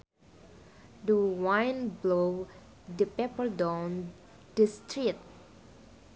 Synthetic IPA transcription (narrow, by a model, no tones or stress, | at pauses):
duwãjnblo | dəpɛpəldãwn | d̥istɹit̪̚